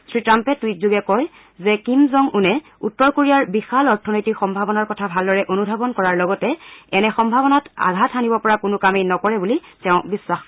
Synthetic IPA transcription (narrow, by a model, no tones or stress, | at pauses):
sɹitɹampɛtwit̚zuɡɛkɔj | zɛkimzɔŋʔunɛ | utːɔɹkoɹijaɹbixalɔɹtʰɔnojtikxɔmbʱabɔnaɹkɔtʰabʱaldɔɹɛʔonubʱabɔnkɔɹaɹlɔɡɔtɛɛnɛxɔmbʱabɔnata̰ɡʱatʰanibɔpɔɹakʊnʊkamejnɔkɔɹɛbulitɛʊ̃biswax